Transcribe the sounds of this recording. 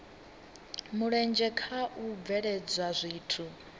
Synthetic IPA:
muɺɛnd͡ʒɛkʰaʔub̪vɛɺɛd͡zwazʷiːtʰu

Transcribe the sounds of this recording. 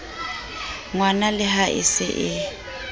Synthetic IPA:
ŋwanalɪɦaʔɪ̰sɪʔɪ

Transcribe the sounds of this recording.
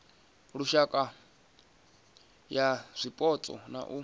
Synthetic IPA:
ɺuʃakʼa | jaz̥ʷipʼɔt͡sʼɔ̰na̰ʔu

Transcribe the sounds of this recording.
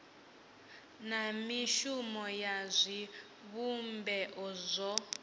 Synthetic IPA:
namiʃumɔjazʷi | βumbɛʔɔzʷɔ

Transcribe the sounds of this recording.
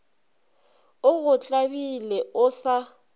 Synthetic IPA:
ʊɣʊt͡ɬʼabilɛʊsa

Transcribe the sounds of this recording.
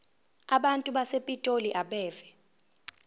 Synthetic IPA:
aɓantʼuɓasepʼitʼoliʔaɓɛːvɛ

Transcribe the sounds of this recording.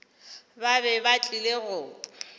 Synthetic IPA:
babɛbat͡ɬʼileɣʊ

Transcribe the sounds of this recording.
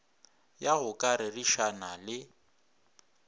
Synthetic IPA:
jaɣʊkʼaɾɪriʃanalɪ

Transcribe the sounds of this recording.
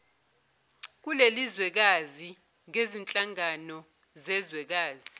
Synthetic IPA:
k̬ulelizwɛk̬azi | ŋezint͡ɬʼaŋanɔ | zɛzwɛk̬aːzi

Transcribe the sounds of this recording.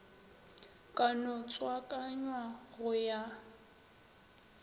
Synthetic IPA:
kʼanɔt͡sʼwakʼaɲwaɣʊja

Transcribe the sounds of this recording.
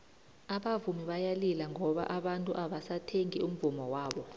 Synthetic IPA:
aɓavumiɓajalilaŋʱɔɓa̰ʔaɓantʼuʔaɓasatʰeŋium̩vumɔwaːɓɔ

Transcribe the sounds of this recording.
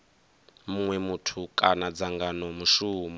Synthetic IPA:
muŋwɛmutʰukʼanad͡zaŋɡanɔmuʃuːmɔ

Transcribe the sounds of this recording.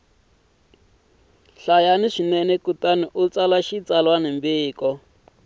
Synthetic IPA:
ɬajaniʂinɛnɛkutaniʔut͡salaʃit͡salwanembiːkɔ

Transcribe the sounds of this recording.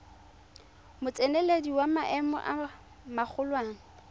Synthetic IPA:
mʊt͡sʼenelediwamaʔɛmɔ̰ʔa | mak͡xʰʊlwaːŋ̩

